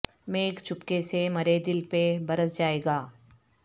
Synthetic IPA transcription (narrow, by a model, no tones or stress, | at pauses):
meːkt͡ʃʰʊpkesemɐɾed̪ɪlpebɐɾəsd͡ʒaːeːɡaː